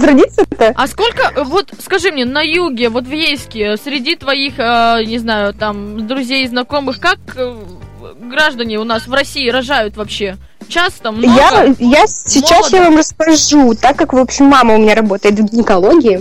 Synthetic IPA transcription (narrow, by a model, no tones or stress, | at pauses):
zɾɐdʲit̪səɛt̪əɐsko̞lʲkəʔvo̞t̪skɐʐɨmnʲenɐjuɡʲɪvo̞t̪vjejskʲɪsʲɾʲɪdʲit̪vɐixənʲɪznajʊt̪amd̪ɾʊzʲejznɐko̞mɨxkak | ɡɾaʐd̪ənʲɪʊn̪asvrɐsʲiɪɾɐʐajʊt̪vɐpɕːe̞ | t͡ɕast̪əmnjajasʲɪmt͡ɕːasˠjavamrəskɐʐut̪akːakvo̞pɕɪmːaməʊmʲɪnʲaɾɐbo̞t̪əjɪt̪vɡʲɪnʲɪkɐlˠoɡʲɪɪ